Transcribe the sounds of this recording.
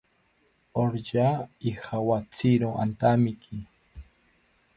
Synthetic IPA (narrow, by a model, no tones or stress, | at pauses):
oɾʎaixawat͡siɾoa̰nt̪amɪkʰi